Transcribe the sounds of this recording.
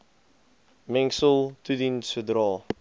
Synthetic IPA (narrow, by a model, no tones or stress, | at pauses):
mɛ̃ŋsəlˠt̪udinsədɾɑː